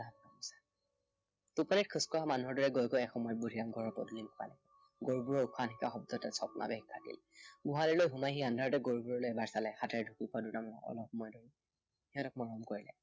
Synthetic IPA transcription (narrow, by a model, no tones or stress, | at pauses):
abnamɔsḁ | tupɔnit̚kʰuskɔamanuɦɔɹdɔɹɛɡojkɔɛkxɔmɔjɔt̚budʱiamɡʱɔɹɔɹpɔ̰dulinkɔa̰nɛ | ɡoɹbuɹɔukʰanɦikaxɔb̚dɔtɛsʰɔpnʔa̰bɛɡkʰːakḭl | ɡuɦalilojɦumajɦiandʱaɹɔtɛɡoɹbuɹɔlojɛbaɹsalɛxatɛɹdʱukipadutamɔɔ̰lɔpxɔmɔjdoɹi | hiɔtɔkmɔɹɔmkoɹilɛ̰